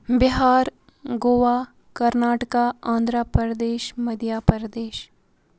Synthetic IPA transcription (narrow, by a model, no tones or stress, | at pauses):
bɪɦaːɾ | ɡoːʋaː | kɐɾnaːʈəkaãːnd̪ɾapəɾəd̪eːʃmɐd̪ʱjaːpəɾəd̪eːʃ